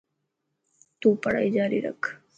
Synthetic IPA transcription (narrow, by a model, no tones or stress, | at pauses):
t̪ũːpəɽa̰id͡ʒaːɾiɾə̰kʰ